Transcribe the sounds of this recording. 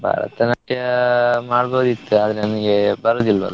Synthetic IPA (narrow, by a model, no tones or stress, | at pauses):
bʱa̰ːɾɐ̰t̪ːɐnɐʈːijɐmaːɽboːd̪it̪ːɨɐðineniŋɡebɐɾɐd̪ilʋɐ̰l